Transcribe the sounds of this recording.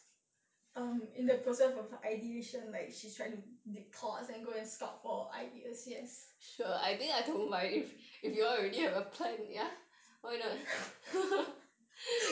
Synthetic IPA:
ʌ̃mĩndəpʰɹosɛsɔfaɪdieʃə̃nlaɪk̚ʃitʰɹaɪ̃tudipʰɔsɛ̃nɡoɛ̃nskɔp̚fɔa̰ɪʔiɛsjɛsʃuəa̰ɪdĩŋaɪtõnvaɪtififjuɔlɹɛdihɛvəpʰlɛ̃nja | waɪnɔt̚

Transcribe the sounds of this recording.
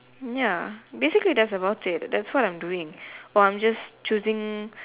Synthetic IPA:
jabesiklidɛtsəbaʊtɪt̚dɛtswɔtãjmduɪ̃ŋɔãj̃md͡ʒast͡ʃuzɪ̃ŋ

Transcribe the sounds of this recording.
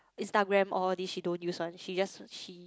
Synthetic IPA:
ʔĩnstaɡɹɛ̃mɔldisʃidõnjuswãnʃid͡ʒasʃi

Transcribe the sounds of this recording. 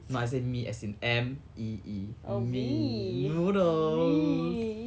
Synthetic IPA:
noas̬emiʔɛ̰sĩnɛ̃mʔiiminuno

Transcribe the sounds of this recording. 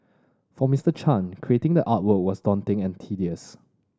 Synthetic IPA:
fɔmistət͡ʃʰãnkʰɹietɪ̃ŋdəʔat̚wək̚wɔsdɔ̃ntɪ̃ŋɛ̃ntʰidiəs

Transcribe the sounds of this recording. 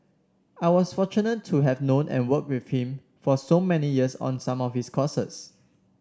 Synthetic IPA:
aɪwɔsfɔt͡ʃunətʰːuɦɛvnõnʔɛ̰̃nwək̚wifhĩm | fɔsomɛnijiəsɔ̰̃nsãmɔfhiskʰɔsə̰s

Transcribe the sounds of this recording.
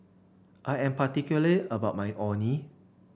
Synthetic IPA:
ʔajɛ̃mpatikjuləliəbaʊt̚majʔɔ̃ni

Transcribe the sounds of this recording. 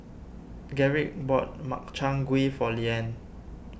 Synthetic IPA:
ɡɛɹik̚bɔt̚ma̰k̚t͡ʃʰãŋɡwifɔliɛ̃n

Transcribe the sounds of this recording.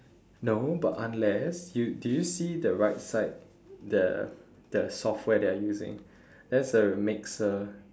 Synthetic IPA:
nobatãnlɛsjudujusidəɹaɪt̚saɪt̚ | də̰ | d̥əsɔft̚wɛdeajuzɪ̰̃ŋ | dɛtsəmɪksə

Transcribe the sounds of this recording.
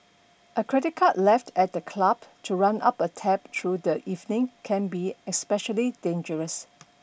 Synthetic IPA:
ʔəkʰɹɛdɪt̚kʰatlɛftʰɛt̚dəkʰlab̥tʰuɹãnʔa̰pətʰɛp̚tʰɹudəʔivnɪ̃ŋkʰɛ̃nbiɛspɛʃəlidẽnd͡ʒəɹəs

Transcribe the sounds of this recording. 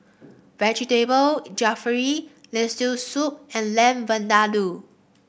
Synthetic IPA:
vɛd͡ʒitebəld͡ʒafəɹilɛstusup̚ɛ̃nlɛ̃mvə̃ndadu

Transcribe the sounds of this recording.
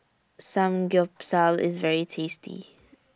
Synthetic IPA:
sãmɡɪpsalɪ̰zvɛɹitʰeːstʰḭ

